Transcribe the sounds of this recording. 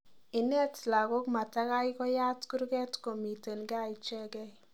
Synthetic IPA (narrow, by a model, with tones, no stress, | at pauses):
ɪ˨nɛ˦tla˨ɡo˦kma˨ta˦ka˦jkɔ˦ja˦tku˦ɾɡɛ˦tko˨mi˨te˨nɡa˦i˨t͡ʃɛ˦ɡɛ˦